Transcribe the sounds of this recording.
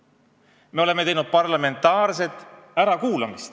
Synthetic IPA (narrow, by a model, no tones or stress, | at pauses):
me̞o̞le̞met̪e̞jnud̪t̪̚pɑrlɑme̞nt̪ːˑɑːrse̞t̪ːˑæɾɑkuːlɑmist̪